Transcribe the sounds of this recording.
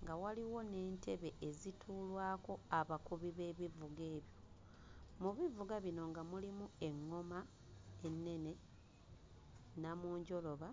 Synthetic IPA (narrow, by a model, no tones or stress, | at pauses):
ŋɡawaliwo̞ne̞ːntʰe̞βe̞ʔezitʰuːlwaːko̞aβakuβiβe̞ːβivuɡe̞ːβjo̞ | muβivuɡaβino̞ŋɡamulimue̞ŋːo̞ma | e̞nːe̞ne̞ | namuːɲɟo̞lo̞βa